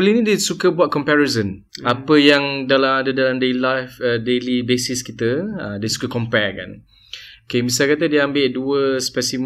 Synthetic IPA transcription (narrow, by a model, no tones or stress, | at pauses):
bəlinĩdisukəbuat̪̚kɔmpɛɹezən | apəjaŋdalamadədalamdelajfədelibesiskit̪əədəsu̥kəkɔmpɛka̰n | okemisalkat̪̬ədiambɪʔduəspɛsim